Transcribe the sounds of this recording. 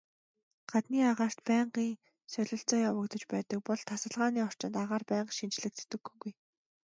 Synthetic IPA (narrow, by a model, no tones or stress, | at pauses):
ɢ̥at̪niːaʁaːr̥t̪pæːɴɢiːŋ | sœɮɵ̆ɬt͡sɔːjawə̆kt̪ɞ̆t͡ɕpæːt̪ə̆k̚pɔɮt̪ʰasə̆ɮʁaːniːɔr̥t͡ɕɪ̆nt̪aʁaːrpæːɴɢʃint͡ɕɮɘ̆k̚t͡sʰɵ̥t̪ɘ̆ɡuɡuj